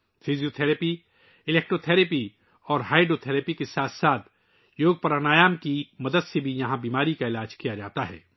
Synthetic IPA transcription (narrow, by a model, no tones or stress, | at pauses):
fʰizijot̪ʰɛːɾəpi | ɪleːk̚ʈɾot̪ʰɛːɾepi | ɔːɾɦaːɪɖot̪ʰɛːɾepikesaːt̪ʰsaːt̪ʰ | joːɡ̚pɐɾanaːjaːmkimɐd̪əd̪sebʱijɐɦãbiːmaːɾikaɪlaːd͡ʒkijad͡ʒaːt̪aɦɛ̰ː